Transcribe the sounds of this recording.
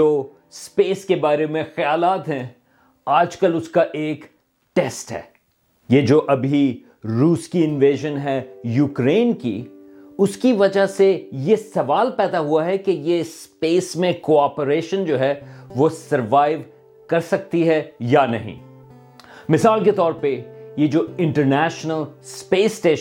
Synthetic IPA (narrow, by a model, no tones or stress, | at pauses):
oː | speːskebaːɾemẽxɐjaːlaːt̪ɦɛ̃ | aːd͡ʒkɐlʊskaʔeːk | ʈɛːsʈɦɛ̰ː | jed͡ʒoːʔɐbʱi | ɾuːskiɪ̃nʋeːʒənɦɛjuːkɾeːnkḭ | ʊskiʋɐd͡ʒasejesɐʋaːlpɛːd̪aɦuaɦɛkejespeːsmẽkoːaːpəɾeːʃə̃nd͡ʒoːɦɛʋosɐɾʋaːɪʋ | kɐɾsɐk̚t̪iɦɛjanɐɦḭ̃ | mɪsaːlk̬et̪ɔːɾpejed͡ʒoːɪ̃ɳʈəɾnɛːʃnəlspeːsʈeːʃ